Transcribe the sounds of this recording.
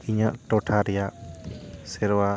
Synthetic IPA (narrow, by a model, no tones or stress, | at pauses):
iɲaʔʈɔʈʰaɾɛjaʔ | sɛɾwa